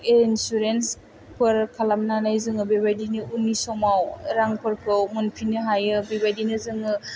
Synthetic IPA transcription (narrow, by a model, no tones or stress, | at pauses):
ensuɾens | pʰɯɾkʰalamnanajzɯŋɯbebajdinɯunisɔmawɾaŋpʰɯɾkʰɯwmɯnpʰinɯɦajɯbibajdinɯzɯŋɯ